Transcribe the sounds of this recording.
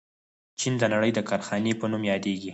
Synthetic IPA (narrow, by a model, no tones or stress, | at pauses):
t͡ʃind̪ənaɽəjd̪əkɑɾxɑnepənumjɑd̪eɡi